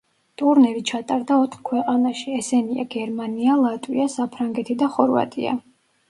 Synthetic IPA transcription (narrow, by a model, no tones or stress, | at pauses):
t̪ʼuɾnɛɾit͡ʃʰat̪ʼaɾd̪aɔt̪ʰχkʰwɛqʼanaʃiɛsɛnia̰ɡɛɾmanialˠat̪ʼwiasapʰɾaŋɡɛt̪ʰid̪aχɔɾva̰t̪ʼḭa̰